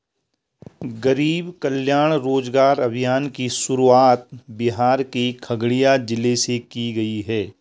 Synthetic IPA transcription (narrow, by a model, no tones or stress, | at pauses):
ɡɐɾiːbkəljaːɽ̃ɾoːd͡ʒɡaːɾɐbʱijaːnkiʃʊɾuaːt̪̚bɪɦaːɾkikʰɐɡɽijad͡ʒɪlesekiɡɐiɦɛː